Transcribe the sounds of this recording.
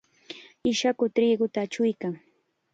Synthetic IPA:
ɪʃakʊt̪ɾɪːɢʊt̪aːt͡ʃʊjkaŋ

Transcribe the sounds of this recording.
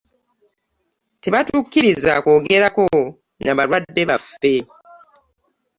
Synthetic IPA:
te̞βatukːiɾizako̞ːɡe̞ɾako̞ | naβaɾwadːe̞βafe̞

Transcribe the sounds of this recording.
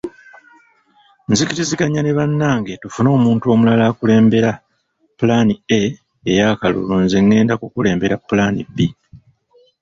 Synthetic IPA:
nzikiɾiziɡaɲane̞βanːaːŋɡe̞tufuno̞ːmuːntuo̞ːmulalaːkule̞ːmbe̞ɾa | pulanieː | jaːkalṵlunzeŋːe̞ːndakukule̞ːmbe̞ɾapːulanḭbi

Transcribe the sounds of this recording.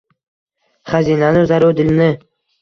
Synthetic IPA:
χazinanɪzaɾʊd̪ɪlnɪ

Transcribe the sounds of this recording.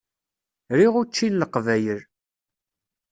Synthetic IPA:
ɾiʁʊt͡ʃːinləqvæjəɾ

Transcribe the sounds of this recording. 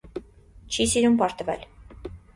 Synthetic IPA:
t͡ʃʰisiɾumpɑɾt̪əvɛ̰l

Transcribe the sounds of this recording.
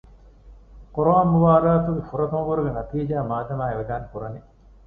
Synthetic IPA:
koɾoaːmːuʋaːd̪aːt̪uɡefuɾɐt̪ɐmɡuɾuɡenɐt̪iːd͡ʒaːmaːd̪ɐmaːeʋed̪aːnkuɾɐne

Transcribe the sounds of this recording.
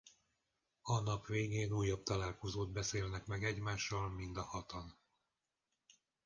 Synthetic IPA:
ɒnɒpʋeːɡeːnuːjːɒb̚t̪ɒlaːlko̞zoːd̪̚bɛseːlnɛkmɛɡɛɟmaːʃːɒlmind̪ɒhɒt̪ɒn

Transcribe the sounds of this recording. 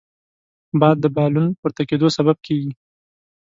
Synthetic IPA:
bɑjad̪ːəbɑlunpoɾt̪aked̪osabab̚kʰeɡi

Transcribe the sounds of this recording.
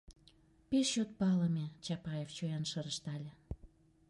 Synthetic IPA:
peʃɕot̪̚pɑlə̆mʲet͡ɕɑpɑjeft͡ɕojɑnʃəɾəʃt̪ɑlʲĕ

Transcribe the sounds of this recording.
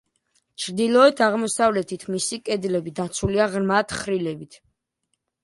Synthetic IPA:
t͡ʃʰɾd̪ilˠɔɛt̪ʰaʁmɔsavlɛt̪ʰit̪ʰmisikʼɛd̪lɛbid̪at̪sʰuliaʁɾmat̪ʰχɾilɛbit̪ʰ

